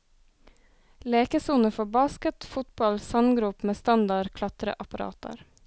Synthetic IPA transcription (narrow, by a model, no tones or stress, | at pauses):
leːkəsuːnəfɔbɑːskət̪fʊt̪bɑlsɑnɡɾʉpmeːst̪ɑnd̪ɑɾkʰlɑt̪ɾə̰ʔɑpɑɾɑ̰ːt̪ɑ̰ɾ